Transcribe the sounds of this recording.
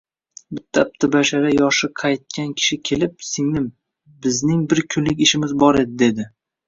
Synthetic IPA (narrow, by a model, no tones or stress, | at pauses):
bɪt̪ʰːap̚t̪ʰɪbaʃaɾajɒʃɨqʰɑjt̪̚kʲankʲʰɪ̥ʃɪkʲʰe̞lɪp̚sɪŋnɪm | bɪznɪŋbɪɾkʲʰʊnlɪkʲɪʃɪmɪzbɒɾe̞d̪ɪd̪e̞d̪ɪ